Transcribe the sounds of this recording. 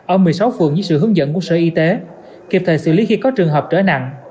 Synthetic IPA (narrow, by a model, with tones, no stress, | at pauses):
ʔəː˧˩mɨ˨˩əjsa˨˦wfɨ˨˩əŋzɨ˧˨˦sɨ̰˧˨hɨ˨˦əŋzə̰˧˨nku˧˩sə̰ː˧˩ʔi˧t̪e˨˦ | ki˧˩p̚t̪ʰə˧˩sɨ̰˧˨li˨˦xi˧kɔ˨˦t͡ɕɨ˨˩əŋɦəː˨˩p̚t͡ɕəː˧˩na̰˧˨ŋ